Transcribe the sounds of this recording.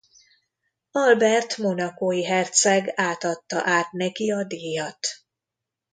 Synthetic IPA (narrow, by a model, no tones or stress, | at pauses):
ɒlbɛrt̪mo̞nɒkoːjiɦɛrt̪sɛɡaːt̪ɒt̪ːɒ̰ʔaːt̪nɛkiɒd̪eːjɒt̪